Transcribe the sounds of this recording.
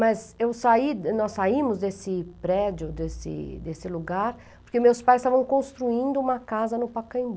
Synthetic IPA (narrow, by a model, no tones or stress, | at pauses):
mɐzewsainɔssaĩmʊzd̪esɪpɾɛd͡ʒjʊd̪esɪ̰d̪esɪluɡaɾ | poɾkemewspajst̪avɐ̃w̃kõst̪ɾuĩnd̪ʊũmɐkazɐnʊpakɐ̃ĩbu